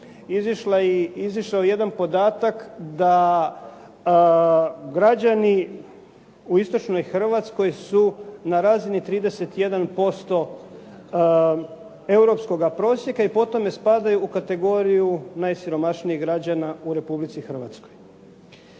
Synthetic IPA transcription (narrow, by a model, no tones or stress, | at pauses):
iziʃlaiziʃaoje̞d̪anpo̞d̪aːt̪akd̪a | ɡɾad͡ʑani | uist̪o̞t͡ʃno̞jxr̩ʋat̪sko̞jsunaɾaːzinit̪ɾiːd̪e̞set̪je̞d̪anpo̞st̪o̞ | e̞uɾo̞psko̞ɡapɾo̞ːsje̞kaipo̞t̪o̞mespad̪ajuːkat̪e̞ɡo̞ɾijunaːjsiɾo̞maʃniiɣɡɾad͡ʑanauɾe̞publit̪sixr̩ʋa̰t̪sko̞j